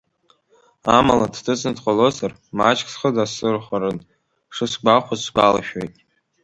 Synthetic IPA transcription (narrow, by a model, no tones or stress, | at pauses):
amaladdʰɨt͡sʼnɨdqʷʼalozar | mat͡ʃʰʼkʰʼsχədasɨrχʷaɾɨn | ʂɨsɡ͡bʷaχʷʊzɡala̰ʃᶣojtʼ